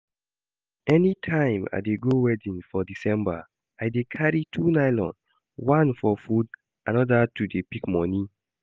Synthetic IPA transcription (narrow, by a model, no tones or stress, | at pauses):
ɛnitʰãɪ̃ma̰ɪdeɡowɛdĩnfɔdisɛ̃mba̰ | ajdekʰaɹitʰunaɪlɔ̰̃n | wãnfɔfud | anɔdatudepikmɔni